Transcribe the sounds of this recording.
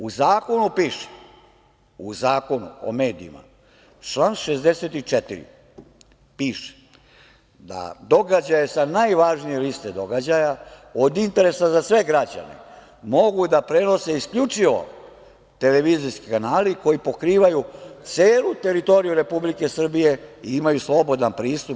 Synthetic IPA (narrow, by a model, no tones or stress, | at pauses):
uzaːko̞nupiːʃe̥ | uzaːko̞nṵo̰me̞ːd̪ḭḭma̰ | t͡ʃlˠanʃe̞zd̪e̞set̪it͡ʂet̪ḭɾḭ | piːʃe̥ | d̪a̰d̪o̞ɡad͡ʑajesanajʋaʒnijelist̪e̞d̪o̞ɡad͡ʑajaod̪int̪e̞ɾe̞sazasʋe̞ɡɾad͡ʑa̰ne̞̰ | mo̞ɡud̪apɾe̞no̞se̞iskʎut͡ʂiʋo̞̰ | t̪e̞leʋiziskikanaːliko̞jipo̞kɾiːʋajut̪se̞ːlut̪e̞ɾit̪o̞ɾijuɾe̞publike̞sr̩bije̞iimajuslˠo̞bo̞d̪anpɾiːst̪up